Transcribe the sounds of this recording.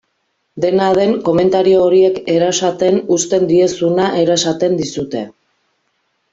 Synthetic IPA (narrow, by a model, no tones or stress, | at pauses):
d̪e̞nað̞e̞ŋko̞me̞nt̪aɾio̞ːɾie̞ke̞ɾasat̪e̞nust̪e̞nd̪ie̞sunaʔe̞ɾasat̪e̞nd̪isut̪e̞